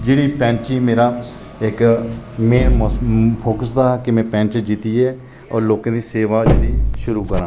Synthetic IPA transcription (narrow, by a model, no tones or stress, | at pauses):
d͡ʒeːɽiːpɛ̃ːnt͡ʃiːmeːɾaː | ɪkmeːnmpʰoːkəsd̪aːkɪmɛ̃ːpɛ̃ːnt͡ʃd͡ʒit̪iːɛː | ɔːɾloːkãːd̪iːseːʋaːd͡ʒd̪iːʃʊɾuːkəɾãː